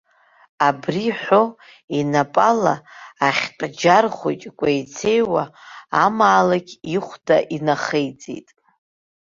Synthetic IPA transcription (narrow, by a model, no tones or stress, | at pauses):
abriħʷo | inapʼalaːχʲtʼd͡ʒarχʷot͡ʃʼkʷʼajt͡sʰe̞jwaːmaːlaɡʲiχʷdaʔinaχejt͡sʼḛjtʼ